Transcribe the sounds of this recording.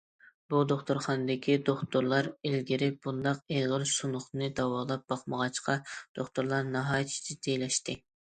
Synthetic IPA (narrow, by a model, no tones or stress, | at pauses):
b̥ud̪oχt̪oɾχɑnɨd̪ɪkʲʰid̪oχt̪oɾlˠɑɾelɡʲiɾɪp̚b̥und̪ɑqeʁəɾsunʊχnɨd̪ɑwɑːlˠɑp̚bɑχməʁɑt͡ʃqɑd̪̥oχt̪oɾlˠɑɾnɑɦɑːjt̪ʰi̥t͡ʃ̪ʰɪd̪ʰejlɛʃt̪ɪ